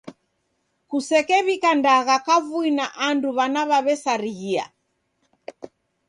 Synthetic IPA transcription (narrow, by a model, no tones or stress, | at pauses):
kusɛkɛβikandaɣakavuinaʔanduβanaβaβɛsaɾiɣia̰